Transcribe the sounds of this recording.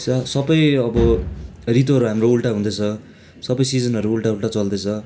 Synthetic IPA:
sʌsʌbʌjʌbʌrit̪ɦʌɾuɦamroulʈaɦũnd̪ʌt͡sʰʌ | sʌbʌjsid͡zʌnʌɾuːlʈaulʈat͡sʌld̪et͡sʰʌ

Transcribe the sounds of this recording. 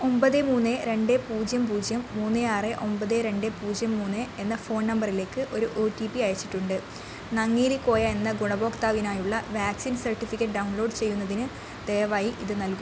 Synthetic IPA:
o̞mbɐðemuːnːeɾe̞ɳɖe̞puːd͡ʑjɐmpuːd͡ʑjɐmːuːnːeaːreʔo̞mbɐðeɾe̞ɳɖe̞puːd͡ʑjɐmːuːnːeenːɐfo̞ːnnɐmbɐrile̞ːkːɨʔo̞ɾuʔoːʈipiɐjɐt͡ɕːi̥ʈːuɳɖɨ | nɐŋːiːlikːo̞ːjɐenːɐɡuɳɐbo̞ːkt̪aːʋinaːjuɭːɐʋjaːksinsɐrʈːifikʲːɐʈːɖɐwuɳlo̞ːɖt͡ɕe̞jːunːɐðinɨ | d̪̥e̞jɐʋaːjiʔiðɨnɐlku

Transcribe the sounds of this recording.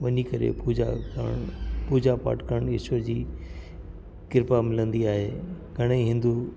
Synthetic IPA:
ʋɐɲikɐɾḛpuːd͡ʑã̰ | puːd͡ʑapa̰ːʈkəɽ̃ɪsəɾd͡ʑiː | kɪɾpamɪlə̃nd̪iaːɦeː | ɡʱɐɽ̃eiɦɪ̃nd̪u

